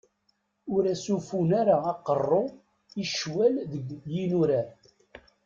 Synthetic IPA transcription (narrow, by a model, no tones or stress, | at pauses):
ʊɾæsufunaɾaɑqərˤːo | iʃwælðəɡjinuɾæ